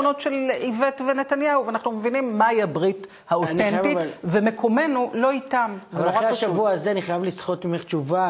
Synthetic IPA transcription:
ono̞tʃe̞livetvene̞tanjahuveanaχnumevinimːaiabʁit | haotentivemekʰo̞me̞nulo̞itamzaeaʃavuaːzeaniχajavlisχo̞tmimeχt͡ʃuva

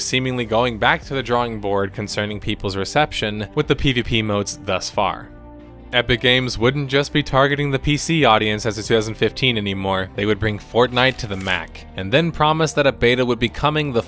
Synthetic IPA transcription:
sĩmɪ̃ŋliɡoʊɪ̃ŋbæk̚tʰɨðɨdɹɔɪ̃ŋbɔɹd̚kʰn̩sɜ̃˞nɪ̃ŋpʰipl̩ˠzɹɨsɛpʃɨ̃nwɨðɨpʰivipʰimoʊtsðʌsfɑ̰ɹ | ɛpɨɡẽɪ̃mzwʊdⁿn̩d̥ʒ̥ʌsb̥itʰɑɹɡɨɾɪ̃ŋðɨpʰisiɔɾiɨ̃nsɨzɨtʰʉ̥θaʊzn̩fɪftʰĩnɛnimɔɹðeɪwɨd̚bɹɪ̃ŋfɔɹtⁿnaɪtʰɨðɨmæ̰k | ɨ̃nðɨ̃npʰɹ̥ɑməsðɨɾɨbeɪɾəwəd̚bikʰʌmɪ̃ŋðə

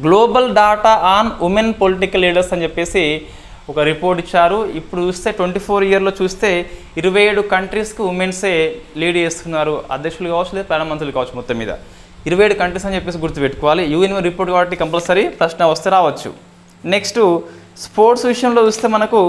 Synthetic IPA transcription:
ɡlo̞ːbɐlɖaːʈaːaːnumenpoliʈ̬ikɐlːiːɽɐɾsɐnd͡ʒepːe̞ːsi | ɔkɐɾipo̞ːɾʈit͡ʃːaːɾuipːuɽut͡ʃuːst̪e̞ːʈʋeɳʈiːpʰo̞ːɾijɐɾlo̞ːt͡ʃuːst̪e̞ː | iɾuʋɐjeːɽukɐɳʈɾiːskuʋumenseːliːɽeːst̪unːaːɾuɐ̰d̪ʱjɐkʂɐlukaːʋɐt͡ʃːuled̪pɛːnɐmɐnt̪ɐlukaːʋɐt͡ʃːumɔt̪ːɐmːḭːd̪ɐ̰ | iɾɐʋɐjeːɽukɐɳʈɾiːsɐnit͡ʃepːe̞ːs̬iɡuɾt̪upeʈːukɔːʋaːlijuːenmeɾipo̞ːɾʈkaːbɐʈ̬ːikɐmplɐsɐɾipɾɐʃnɐʋɐst̪eːɾaːʋɐt͡ʃːṵ | ne̞ksʈ | spo̞ːɾʈsʋiʂɐjɐmlot͡ʃuːst̪e̞ːmɐnɐku

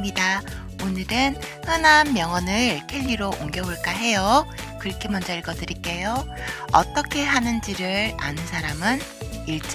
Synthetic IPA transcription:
ɲida | onɯɾɯnhɯnamːjʌŋʌnɯɭkʰeʎːiɾoʔoŋɡjʌboɭk͈aɦe̞jo | kɯɾʌkʰemʌnd͡ʑʌiɭɡʌdɯɾik͈e̞jo | ʌ̰t͈ʌkʰe̞ɦanɯnd͡ʑiɾɯɾa̰nɯnsʰaɾamɯn | iɭt͡ɕ͈

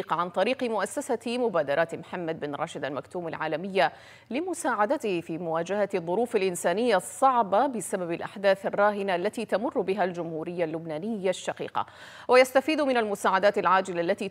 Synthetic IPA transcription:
qʕant̪ˤɑɾiːqɪmʊʔasːasamʊbaːd̪ɑɾˤɑːt̪mħamːad̪̚bɪnɾˤɑ̰ːʃɪd̪almakt̪uːmalʕaːlamɪjːa | lɪmʊsaːʕad̪at̪ɪhɪfiːmʊwaːd͡ʒahaðˤːʊɾuːfalʔɪnsaːnɪjːasˤːɑʕbɑbɪsababalʔaħd̪aːθarˤːɑːɦɪnaʔlːat̪iːt̪amʊrˤːʊbɪɦald͡ʒʊmhuːɾɪjːalːʊbnaːnɪjːaʃːɑqḭːqɑ̰ | wajast̪afiːd̪mɪnalmʊsaːʕad̪aːt̪alʕaːd͡ʒɪlalːat̪iː

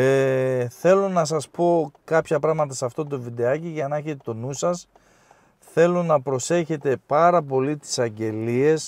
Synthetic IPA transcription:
eθe̞lonɐsɐspo̞kɐpçɐpɾɐɣmɐt̪ɐsɐft̪o̞t̪ovid̪e̞ɐciʝɐnɐeçet̪et̪o̞nusɐs | θe̞lonɐpɾo̞se̞çe̞t̪e̞pɐɾɐp̬o̞lit̪i̥sɐɲɟe̞lie̞s

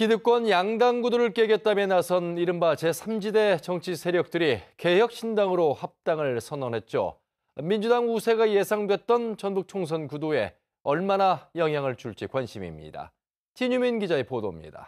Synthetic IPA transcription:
kidɯk̚k͈wʌnjaŋdaŋɡudoɾɯɭk͈eɡjʌt̚t͈amjenasʰʌniɾɯmbat͡ɕe̞sʰamd͡ʑide̞t͡ɕʌŋt͡ɕʰisʰe̞ɾjʌk̚t͈ɯɾike̞jʌk̚ɕ͈ʰindaŋɯɾohap̚t͈aŋɯɭsʰʌnʌnɦe̞t̚t͡ɕ͈o̰ | mind͡ʑudaŋusʰe̞ɡaje̞sʰaŋdwet̚t͈ʌnt͡ɕʌnbuk̚t͡ɕʰoŋs̬ʰʌnkudoe̞ | ʌɭmanajʌŋɦjaŋɯɭt͡ɕuɭt͡ɕ͈ikwanɕʰimḭmɲḭd̥a̰ | t͡ɕiɲuminɡid͡ʑae̞podo̰mɲḭda̰

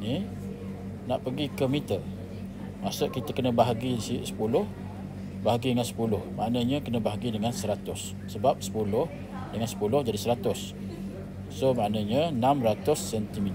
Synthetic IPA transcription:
ni | naʔpəɡikəmit̪ə | masʊʔkit̪əkənə̃baɦaɡisisə̥pulʊh | baɦaɡidəŋansə̥pulʊhmaʔnəɲəkənə̃baɦaɡidəŋansəɾat̪ʊsːəbap̚sə̥pulʊh | dəŋansə̥pulʊhd͡ʒadisəɾat̪ʊs | somaʔnəɲənamɾat̪ʊsːɛnt̪imit̪

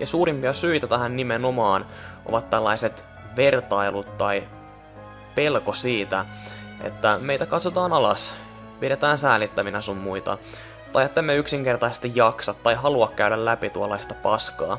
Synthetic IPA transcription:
jɑsuːɾimpiɑsyit̪æt̪æɦænnimeno̞mɑːn | ʔo̰ʋɑt̪t̪ːælːɑjset̪ | ʋe̞rt̪ɑilut̪t̪ɑj | pe̞lkosiːt̪æḛt̪ːæme̞ijt̪ækɑt̪sot̪ɑːnɑlɑs | piɾet̪æːnsæːlit̪ːæʋinæsumːuit̪ɑ̰ | t̪ɑjet̪ːæmːeyksiŋk̟e̞rt̪ɑisest̪ijjɑksɑt̪ːɑjɦɑluɑkkæydællæpit̪uɑlːˑɑist̪ɑpɑskɑ̰ː

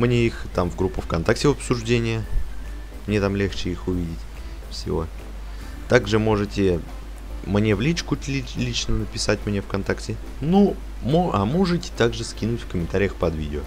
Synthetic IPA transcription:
mnʲeixt̪amvɡɾupːʊfkɐnt̪ak̚tʲɪvɐpsʊʐdʲenʲɪjə | mnʲe̞t̪amlʲext͡ɕɪixʊvʲidʲɪtʲ | fsʲɪ̰vo̞̰ | t̪aɡʐɨmo̞ʐɨtʲɪ | mnʲe̞vlʲit͡ɕkʊtlʲilʲit͡ɕnənəpʲɪsatʲmnʲe̞fkɐnt̪aktʲɪ | nu | moa̰moʐɨtʲɪ̥t̪aɡʐɨskʲinʊtʲfkəmʲɪnt̪aɾʲɪjəxpɐd̪vʲḭdʲɪo

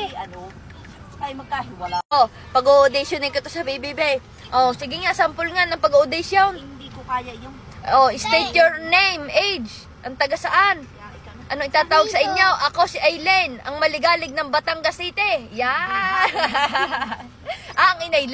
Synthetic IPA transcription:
ɐno | ɐɡ̚aʔo | pɐɡoʔod̪ɪsjonɪkɐt̪osɐbibibej | ʔosɪɡɪŋasɐmpʊlŋanɐŋpɐɡoʔod̪ɛsjonikokajɐj | ʔoʔɪst̪ejt̪joɹnejmʔejd͡ʒ | ʔɐŋt̪ɐɡasɐʔan | ʔɐnoŋʔɪt̪aːt̪aːwɐɡ̚sɐʔɪɲːo̞ʔɐko̞sɪʔajlɛnʔɐŋmɐlɪɡaːlɪɡ̚nɐŋbɐt̪aŋɡɐsiːt̪ɛja | ʔɐŋɪnaj

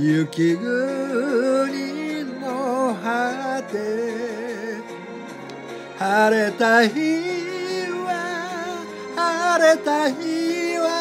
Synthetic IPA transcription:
jukiɡu | ninɔɦat̪e | haɾɛt̪aɦi | wa | haɾɛt̪aɦiwa

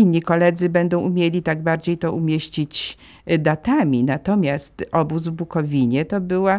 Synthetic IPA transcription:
inʲːikɔlɛd̪zɘbɛnd̪ɔ̃w̃umʲjelʲit̪aɡ̚baɾd͡ʑejt̪ɔʔumʲjeɕt͡ɕit͡ɕ | d̪at̪amʲinat̪ɔmʲjast̪ɔbuzvbukɔvʲiɲɛt̪ɔbɘwa

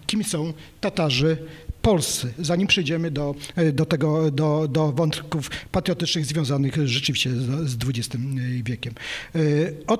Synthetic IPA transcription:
kʲimʲisɔ̃w̃t̪at̪aʐɘpɔlst̪sɛzaɲimpʂɛjd͡ʑɛmɘd̪ɔd̪ɔt̪ɛɡɔd̪ɔd̪ɔvɔnt̪kufpat̪ɾjɔt̪ɘt͡ʂnɘɣzvʲjɔ̃w̃zanɘxʐɛt͡ʂɘvʲiɕt͡ɕɛzd̪vud͡ʑɛst̪ɘmvʲjɛkʲɛm | ɔ

